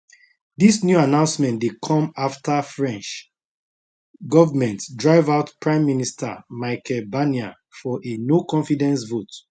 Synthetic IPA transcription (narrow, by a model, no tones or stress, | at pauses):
ðisnjuanãʊ̃nsmɛ̃ntdekʰɔ̃maftʰəfɹɛ̃nt͡ʃ | ɡɔvəmɛ̃ntdɹaɪvaʊtpɹãɪ̃mːinistʰə̰maɪkʰɛlbania | fɔʔenokɔ̃ɱfidɛ̃nsvot